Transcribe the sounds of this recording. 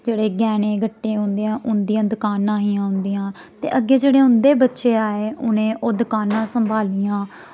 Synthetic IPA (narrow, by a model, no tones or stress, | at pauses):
d͡ʒeːɽeːɡɛːɽ̃ẽːɡəʈːẽːɦʊ̃nd̪ijãːʔʊnd̪ijãːd̪ʊkaːnãːɦiːãːʊ̃nd̪iːãː | t̪ḛːʔəɡːeːd͡ʒeːɽeːʊ̃nd̪eːbətːʃeːaːeːʊnẽːʔoːd̪ʊkaːnãːsəmbʱaːliːãː